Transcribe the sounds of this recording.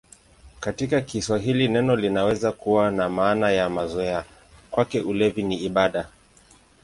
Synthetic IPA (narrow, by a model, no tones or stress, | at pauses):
katikakiswaɦilinɛnɔlinawɛzakuwanamaːnajamazɔɛa | kwakɛʔulɛviniːɓaɗa